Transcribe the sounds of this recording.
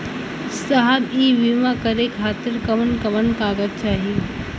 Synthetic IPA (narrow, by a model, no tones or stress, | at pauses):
sɐɦəbiːʋimakɐɾekʰaːt̪ɪɾkɐʋənkɐʋənkaːɡəd̪̚t͡ʃaːɦi